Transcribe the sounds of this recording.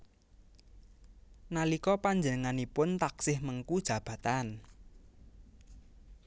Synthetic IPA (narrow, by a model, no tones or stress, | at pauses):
nalikɔpaɲd͡ʒənəŋanipʊnt̪aksɪhməŋkud̥ʒ̥ä̤b̥ä̤t̪an